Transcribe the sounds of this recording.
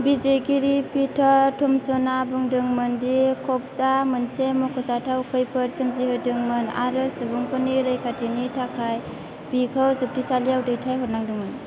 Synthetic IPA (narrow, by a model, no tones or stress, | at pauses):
bizeɡiɾipʰitʰaɾtʰɔmsɔnabuŋdɯŋmɯndikʰɔk̚samɯnsemɔkʰɔsatʰawkʰɯjpʰɯɾsɯmzihɯjdɯŋmɯna̰ɾɯsɯbuŋpʰɔniɾɯjkʰatʰinitʰakʰaj | b̥ikʰawzɯp̚tʰisaliawdɯjtʰajɦɔɾnaŋdɯŋmɯn